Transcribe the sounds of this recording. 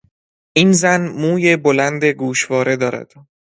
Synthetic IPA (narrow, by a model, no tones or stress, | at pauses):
ʔiːnzænmuːje̞bolænd̪eɡuːʃvɒːɾʔe̞d̪ɒːɾæ̰d̪̥